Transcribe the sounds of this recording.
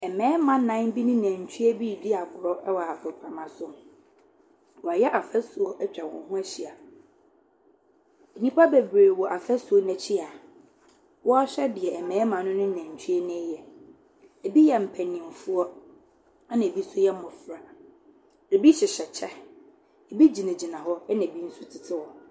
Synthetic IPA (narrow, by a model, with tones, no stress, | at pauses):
ɛ˨mɛ̃ː˦mã˨nã˦n˦bi˦nʊ̃˦næ̃˨ɲ˨t͡ɕʰu˦ɛ˦bi˦˨di˦a˨bʊ˨ɾɔ˦ʔɛ˦wɔ˨a˨kʰʊ˨kʰa˨mã˦sʊ˦ | wɔ˨a˨jɛ˦ʔa˨fɛ˦su˨ɔ˦ʔt͡ɕᶣa˨wɔ̰̃˨n˦ɦʊ̃˦æ˦ɕi˦˨a˨ | e˨nĩ˦pʰa˦be˨bɾeː˨wɔ˨ʔa˨fɛ˦su˨ɔ˦nɛ̃˨t͡ɕʰɪ˦a˨ | wɔ˦a˦ɕᶣɛ˦dɪ˨ɛ˨ɛ˨mɛ̃ː˨˦mã˨nʊ̃˦nʊ̃˦nɛ̃˨ɲ̩˨t͡ɕᶣʰi˦ɛ˦nɪ̃˦jɛ˨ | e˨bi˦jɛ˨m̩˨pʰæ˨nɪ̃˨m˨fu˦ɔ˦ | a˦nã˨e˨bi˦sʊ˦jɛ˦mɔ̃˨fɾa˨ | e˨bi˦ɕɪ˨ɕɛ˨t͡ɕʰɛ˦ | e˨bi˦d͡ʑi˨nã˨d͡ʑi˨nã˨ɦɔ˦ɛ˦nã˨bi˦n̩˦su˦tʰɪ˨tʰɪ˦wɔ˨